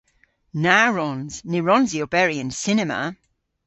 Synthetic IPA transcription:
naɹɔ̃nz̥nɪɹɔ̃nziobɛɹiə̃nsɪnɛmə̰

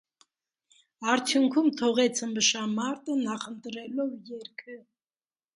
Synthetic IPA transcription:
ɑɾt͡sʰjuŋkʰumt̪ʰɔʁɛt͡sʰəmbəʃɑmɑɾt̪ənɑχənt̪ɾɛlɔvjɛɾkʰə

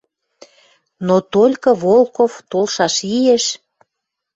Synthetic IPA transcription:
not̪olʲkɤ̆βolˠkoft̪olʃɑʃieʃ

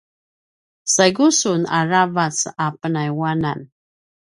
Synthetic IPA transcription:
saɡusunaɹavat͡sapənajwanan

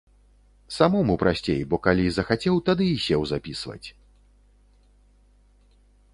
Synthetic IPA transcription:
samɔmupɾasʲt͡sʲejbɔkalʲizɐxat͡sʲɛwt̪ad̪ɨːɕʲɛwzapʲisvɐ̰t͡sʲ

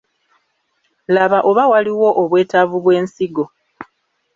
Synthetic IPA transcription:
laβaʔo̞βawaliwo̞ʔoβwe̞ːtavuβwe̞ːnsiɡo̞

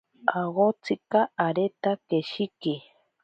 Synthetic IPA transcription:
aɣot͡sɨkaʔːɾet̪akeʃiki

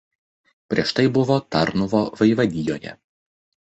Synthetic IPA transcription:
pʲɾʲiɛʃt̪ɐɪbʊʋoːt̪ɐɾnʊʋoːʋɐɪʋɐd̪ʲɪjoːjɛ̰

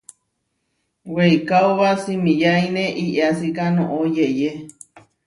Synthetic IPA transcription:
weikawβasimĩjainẽʔiʔasikanõʔojeje

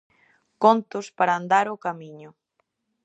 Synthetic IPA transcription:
kont̪ʊspaɾaːnd̪aɾokamiɲʊ

